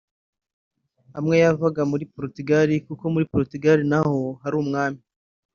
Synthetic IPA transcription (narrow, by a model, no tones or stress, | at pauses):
hamŋe̞javaɡamuɾipoɾotuɡaɾikuko̞muɾipoɾotuɡaɾinaho̞haɾuːmŋaːmi